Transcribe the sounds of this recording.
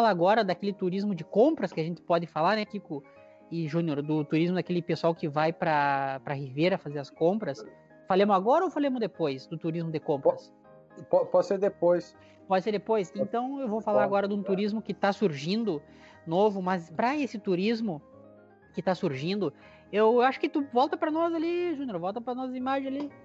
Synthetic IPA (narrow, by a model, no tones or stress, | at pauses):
alaɡɔɾɐd̪akelɪt̪uɾizmʊd͡ʒɪkõmpɾɐskɪaʒẽnt̪ɪ̥pɔd̪ɪfalaɾnɛkikʊ | ɪʒũnoɾd̪ʊt̪uɾizmʊd̪akelɪpesawkɪvajpɾɐpɾɐhiveɾɐfazeɾɐskõmpɾɐs | falẽmʊaɡɔɾɐowfalẽmʊzd̪epojsd̪ʊt̪uɾizmʊd̪ɪkõpɾɐs | pɔpɔd͡ʒɪseɾd̪epojs | pɔd͡ʒ̪ɪseɾd̪epojsẽnt̪ɐ̃w̃ewvowfalaɾaɡɔɾɐd̪ũt̪uɾizmʊkɪt̪asuɾʒĩnd̪ʊ | novʊmɐzpɾɐesɪt̪uɾizmʊ | kɪt̪asuɾʒĩnd̪ʊ | ewwaʃʊ̥kɪt̪uvɔwt̪ɐpɾɐnɔzaliʒũnjoɾvɔwt̪ɐpɾɐnɔs̬ɐimaʒẽj̃ali